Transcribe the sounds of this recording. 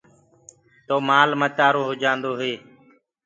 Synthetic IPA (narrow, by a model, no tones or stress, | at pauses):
t̪oːmaːlmət̪aːɾoːɦʊd͡ʒãːnd̪oːɦeː